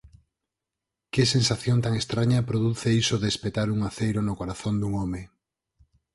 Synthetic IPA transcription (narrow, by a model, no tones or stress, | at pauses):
kɪsensaθjõnt̪aŋest̪ɾaɲɐpɾoðuθeisoðespet̪aɾuŋaθejɾonokoɾaθond̪uŋɔme